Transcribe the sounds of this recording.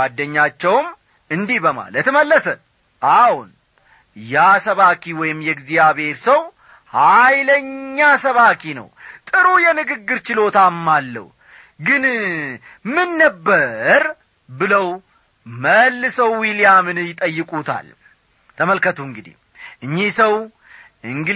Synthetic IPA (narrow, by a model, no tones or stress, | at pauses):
ad̪ːəɲːat͡ʃːɛwm | ɨnd̪ihbəma̰lət̪məlːəsə | ʔahun | jasəβakʰiwɔjɪmjɛɡzijaβe̞ɾsəw | hajləɲːasəβakʰinə̰wt̪ʼɨɾujɛnɨɡɨɡːɨɾt͡ʃɪlo̞t̪amːalːə̰w | ɡɨn | mɨnːəbːəɾ | bɨləw | məlːɨsəwːilijamɨnjɪt̪ʼəjːɨkʼut̪ʰa̰l | t̪ʰəməlkət̪ʰuɨŋɡɨd̪ḭ | ʔɨɲːisəw | ɨŋɡ